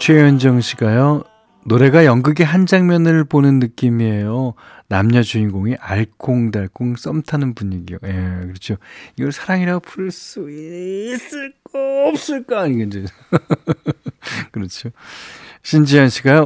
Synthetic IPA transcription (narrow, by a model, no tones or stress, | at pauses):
t͡ɕʰwejʌnd͡ʑʌŋɕʰiɡajo | noɾe̞ɡajʌŋɡɯɡeɦand͡ʑaŋmjʌnɯɭponɯnːɯk͈imiejo | namɲʌd͡ʑuinɡoŋiʔaɭkʰoŋdaɭk͈ʰoŋs͈ʌmtʰanɯnbuɲiɡijo̰jekɯɾʌt͡ɕʰoiɡʌɭsʰaɾaŋiɾaɡopʰuɭs͈uins͈ɯɭkoːp̚s͈ɯɭk͈aːɲiɡɯnd͡ʑe | kɯɾʌt͡ɕʰo | ɕʰind͡ʑijʌnɕʰiɡajo